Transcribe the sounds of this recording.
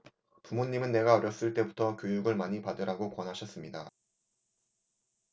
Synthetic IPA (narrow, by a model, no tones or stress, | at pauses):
pumoɲːimɯnːe̞ɡaʌɾjʌs͈ɯɭt͈e̞butʰʌkʲjojuɡɯɭmaɲipadɯɾaɡokwʌnɦaɕʰʌs͈ɯmɲida